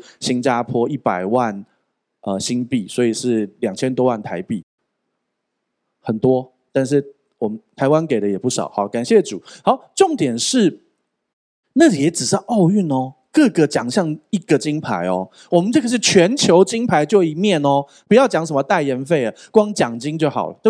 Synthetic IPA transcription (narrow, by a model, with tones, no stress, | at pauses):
ɕi˦nt͡ɕja˦˥pʰwɔ˦i˥˩pa˨˩ɪwa˥˨n | ə˨ɕi˦npi˥˩swɔ˧˥i˨˩ʂɻ̩˥˩ljɑ˨˩ŋt͡ɕʰjɛ˥˦nt̪wɔ˥wa˥˩nt̪ʰa˧˥ɪpi˥˩ | xə˨˩nt̪wɔ˦ | t̪a˥˧nʂ̬ɻ̩˥˩ | wɔ˨˩mə˦nt̪ʰa˧˦ɪwa˦˥nke˨˩ɪdə˦jɛ˨˩pu˥˩ʂɑ̰˨˩˦ʊxɑ˨˦ka˨˩nɕjɛ˥˩ʈ͡ʂu˨˩˦hɑ˨˦ʊʈ͡ʂo˥˩ŋt̪jɛ˨˩nʂɻ̩˥˩ | na˥˩li˨˩jɛ˨˥ʈ͡ʂɻ̩˨˩ʂɻ̩˥˧ʔɑ˥˧ʊy˥˩nɔ˩ | kɤ˥˧ɡə˨t͡ɕjɑ˨˩ŋɕjɑ˥˩ŋi˥ɡ̥ə˨t͡ɕi˦ŋpʰa˧˦ɪɔ̰˨ | wɔ˨˩mə˨nʈ͡ʂɤ˥˩ɡə˨˩ʂ̬ɻ̩˥˩t͡ɕʰɥɛ˨˧˥nt͡ɕʰjo˧˥ʊt͡ɕi˥ŋpʰa˧˦ɪt͡ɕjo˥˧ʊi˨˩mjɛ˥˨nɔ˨˦ | pu˨˦jɑ˥˩ʊt͡ɕjɑ˧˥ŋʂə˧˦mə˧t̪a˥˩ɪjə˧˥nfe˥˩ɪə˩kwɑ˥˦ŋt͡ɕjɑ˨˩ŋt͡ɕi˥ŋt͡ɕjo˥˩ʊxɑ˨˩ʊlə̰˦˥